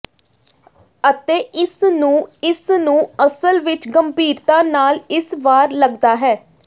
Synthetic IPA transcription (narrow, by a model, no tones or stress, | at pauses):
ət̪eːʔɪsnũːɪsnũːəsəlʋɪt͡ʃɡəmbiːɾt̪ãːnaːlɪsʋaːɾləɡd̪aːɦɛː